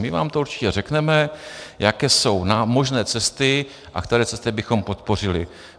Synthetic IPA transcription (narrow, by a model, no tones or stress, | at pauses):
mɪva̰ːmt̪ouɾt͡ʃɪ̥cɛrɛknɛmɛjakɛːso̞wnaːmo̞ʒnɛːt͡sɛst̪ɪ | ʔa̰kt̪ɛlɛt͡sɛst̪ɛbɪxo̞mpo̞t̪po̞r̝ɪlɪ